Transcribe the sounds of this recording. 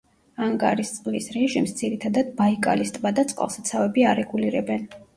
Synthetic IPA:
aŋɡa̰ɾist̪sʼqʼlisɾɛʒimsd̪ziɾit̪ʰad̪ad̪̚baikʼa̰list̪ʼbad̪at̪sʼqʼa̰lˠsat̪sʰavɛbiaɾɛɡuliɾɛbɛn

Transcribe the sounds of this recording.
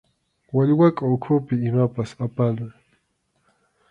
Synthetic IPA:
waʎwakʼaʊkʰʊpɪɪmapasapalaŋ

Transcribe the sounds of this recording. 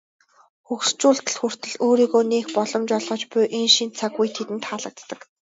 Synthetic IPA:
xukst͡ɕuːɬt̪ə̆ɮxur̥t̪ɘ̆ɮoːɾiːɣoːneːxpɔɮɞ̆mt͡ɕɔɮʁɞ̆t͡ɕpʊjʔenʃint͡sʰaɣujt̪ʰet̪ɘ̆nt̪χaːɮə̆k̚t̪ːə̆k

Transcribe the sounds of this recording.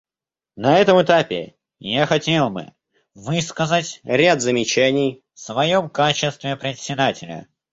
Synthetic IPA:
nɐɛt̪əmɨt̪apʲɪ̰ | jaxɐtʲelˠbɨ̰ | vɨskəzatʲɾʲad̪zəmʲɪt͡ɕænʲɪjfsvɐjo̞mkat͡ɕɪst̪vʲɪpɾʲɪt̪ʲsʲɪd̪atʲɪlʲə̰

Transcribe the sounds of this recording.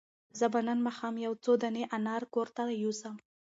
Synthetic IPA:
zəbanənmɑxɑmjawt͡sod̪aneʔanɑɾkoɾt̪ajusəm

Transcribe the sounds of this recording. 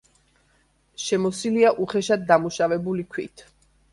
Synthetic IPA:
ʃɛmɔsiliaʔuχɛʃad̪̚ːamuʃavɛbulikʰwḭt̪ʰ

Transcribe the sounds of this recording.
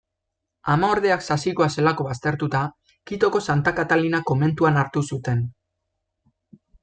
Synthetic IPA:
amaoɾð̞e̞aksasiko̞ase̞lako̞βast̪e̞ɾt̪ut̪a | kit̪o̞ko̞sant̪akat̪alinako̞me̞nt̪uanaɾt̪usut̪e̞n

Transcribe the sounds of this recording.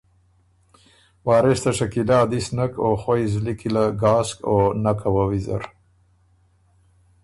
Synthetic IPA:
wɑːɾest̪aʂakilɑd̪isnakoxajzlikilaɡɑːskonakawawiza̰ɾ

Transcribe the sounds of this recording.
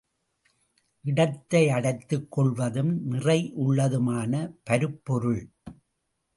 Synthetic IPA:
ʔɪɽɐt̪ːɐɪɐɽɐɪt̪ːɯkːɔɭʋɐðɯmnɪrɐɪʔʊɭːɐðɯmaːnɐpɐɾɯpːɔɾɯɭ

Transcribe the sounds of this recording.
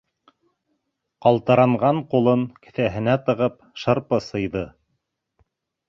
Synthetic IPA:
qɑlˠt̪ɤ̆ɾɑɴʁɑɴqulˠɤŋkɘ̆θæɦɘ̆næt̪ɤ̆ʁɤp | ʃɤ̆ɾpɤsɤ̆jðɤ

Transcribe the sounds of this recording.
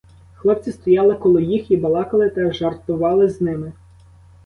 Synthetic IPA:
xlˠɔpt͡sʲɪst̪ɔjɑlˠɪkɔlˠɪjixibɐlˠɑkɐlˠɪt̪ɐʒɐrt̪ʊʋɑlˠɪznɪmɪ

